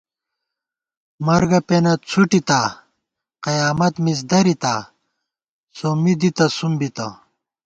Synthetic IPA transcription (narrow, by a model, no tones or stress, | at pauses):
mɐɾɡɐpeːnɐt͡sʰuʈit̪aː | qɐjaːmɐt̪mis̬d̪ɐɾit̪aː | soːmid̪it̪ɐsumbit̪ɐ